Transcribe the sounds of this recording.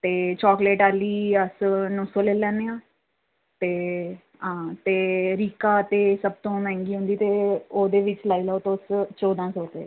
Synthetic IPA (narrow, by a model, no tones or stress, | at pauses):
t̪eːt͡ʃɔːkleːʈaːliːəsnosoːleːlɛ̃ːneãː | t̪eː | ɦãːt̪eːɾiːkaːt̪eːsəb̚t̪õːmɛ̃ːŋɡiːɦʊ̃ːnd̪iːt̪eːoːd̪eːʋɪt͡ʃlaːiːlaot̪ost͡ʃoːd̪ãːsoːt̪ḛː